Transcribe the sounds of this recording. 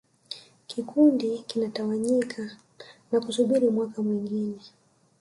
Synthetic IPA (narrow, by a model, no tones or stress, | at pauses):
kʰikundikinatawaɲikʰa | nakusuɓiɾimwakamwiŋɡinɛ